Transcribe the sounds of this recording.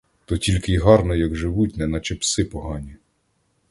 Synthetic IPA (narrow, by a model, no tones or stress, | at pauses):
t̪ɔtʲilʲkɪjɦɑrnɔjɐɡʒɪʋutʲnɛnɐt͡ʃepsɪpɔɦɑnʲi